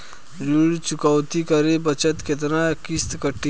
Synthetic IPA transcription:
d͡ʒuɽt͡ʃukawt̪ikəɾebət͡ʃət̪ket̪̬nakist̪kəʈːi

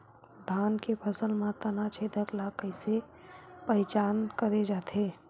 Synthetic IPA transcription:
d̪ʱaːnkepʰəsəlmãt̪ənat͡ʃʰeːd̪ʱəklakːəɪse | pəjt͡ʃaːnkəɾed͡ʒaːt̪ʰeː

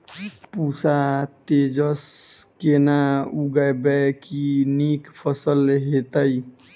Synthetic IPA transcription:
pusat̪ed͡ʒəskenauɡəjbɛkinikpʰəsəlɦet̪əj

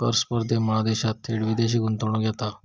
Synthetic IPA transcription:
kəɾspəɾd̪eməɭad̪eɕat̪ʰːeɽʋid̪eɕ̬iːɡʱunt̪əɳũɡʱjɛt̪a

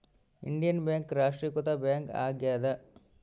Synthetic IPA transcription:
ḭɳɖijɐnbjaːŋkɾaːʂʈɾikɔt̪ɐbjaːŋka̰ːɡjaːd̪ɐ

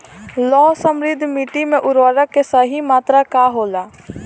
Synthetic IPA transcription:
lɔːsəmɾɪd̪ʱːmiːʈimẽʔʊɾʋəɾəkːesəɦimaːt̪ɾakaːɦoːlaː

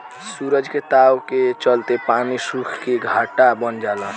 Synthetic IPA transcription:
suɾəd͡ʒket̪awket͡ʃəlt̪epanisukʰkeɡʱaʈabənd͡ʒala

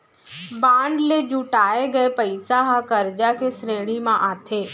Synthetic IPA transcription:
bãːɳɖled͡ʒuːʈaːeɡɐepəɪsaɦãkəɾd͡ʒakesɾeːɽ̃imãʔaːt̪ʰeː

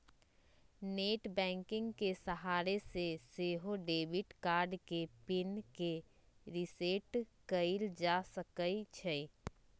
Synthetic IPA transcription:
neːʈbɛ̃ːŋkɪ̃ŋɡkesəɦaːɾeseseːɦoɖeːbɪʈkaːɾɖkepɪnke | ɾɪseːʈkəɪld͡ʒasəkəit͡ʃʰɛ

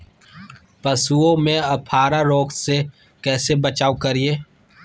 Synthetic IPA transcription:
pɐsuõmẽɐpʰaːɾaɾoːkse | kɛːsebɐt͡ʃaːokɐɾieː

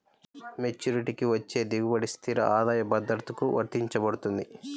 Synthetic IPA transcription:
met͡ʃːuːɾiʈikiʋɐt͡ʃːe̞ːd̪iɡubɐɽist̪ʰiɾɐ̰ʔaːd̪aːjɐbɐd̪ɐɾt̪ukuʋɐ̰ɾt̪iɲt͡ʃɐbɐɽut̪und̪i

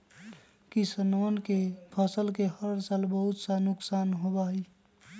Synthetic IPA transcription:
kisənonkepʰəsəlkehəɾsalbəɦut̪sanʊksanɦobaɦi

